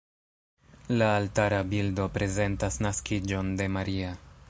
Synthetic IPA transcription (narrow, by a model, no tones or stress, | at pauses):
laːltaɾabildo̞pɾe̞ze̞ntasnaskid͡ʒo̞nde̞maɾia